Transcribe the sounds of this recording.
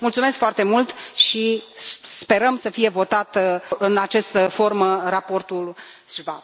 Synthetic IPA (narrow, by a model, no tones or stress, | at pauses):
mult̪sumeskfoart̪e̞mult̪ʃispe̞ɾəmsəfije̞vo̞t̪at̪ɨnat͡ʃast̪əfo̞rmərapo̞rt̪ul | sva